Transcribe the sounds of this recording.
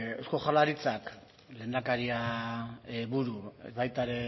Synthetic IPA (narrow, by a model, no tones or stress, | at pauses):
osko̞χalaɾit͡sak | le̞ːnd̪akaɾia | βuɾṵβajt̪aɾe̞